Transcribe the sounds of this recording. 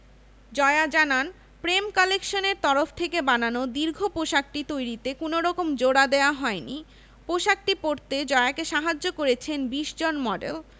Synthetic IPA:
d͡ʑɔead͡ʑanan | pɾemkɔlekʃoneɾt̪ɔɾoft̪ʰekebananod̪iɾɡʱopoʃak̚ʈit̪ojɾit̪ekonoɾɔkomd͡ʑoɽad̪eoaɦɔeni | poʃak̚ʈipoɾt̪ed͡ʑɔeakeʃaɦad͡ʑːokoɾet͡ɕʰenbiʃd͡ʑonmɔɖḛl

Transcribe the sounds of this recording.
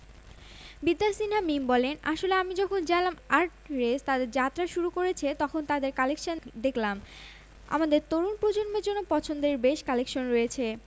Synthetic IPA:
bid̪ːalsinamimbɔlenaʃoleamid͡ʑɔkʰond͡ʑalamaɾʈɾest̪ad̪eɾd͡ʑat̪ːɾaʃuɾukoɾet͡ɕʰet̪ɔkʰont̪ad̪eɾkalekʃand̪eklam | a̰mad̪eɾt̪oɾunpɾod͡ʑonmeɾd͡ʑonːopɔt͡ɕʰond̪eɾbeʃkalekʃonɾoet͡ɕʰe

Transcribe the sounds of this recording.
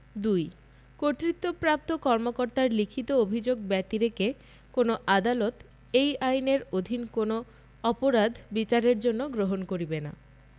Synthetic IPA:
d̪uj | koɾt̪ɾit̪ːopɾap̚t̪okɔɾmokoɾt̪aɾlikʰit̪oobʱid͡ʑoɡbɛt̪iɾeke | konoʔad̪alot̪ | ejajneɾod̪ʱinkono | ɔpoɾad̪ʱbit͡ɕaɾeɾd͡ʑonːoɡɾoɦonkoɾibena̰

